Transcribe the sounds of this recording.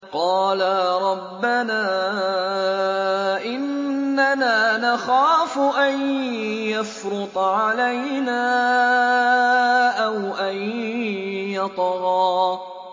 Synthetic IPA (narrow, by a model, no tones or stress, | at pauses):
qɑːlaɾˤɑbːanaː | ʔɪnːanaːnaxaːfʊʔanjafɾʊt̪ˤʕalajnaː | ʔawʔan | jɑt̪ˤɣɑː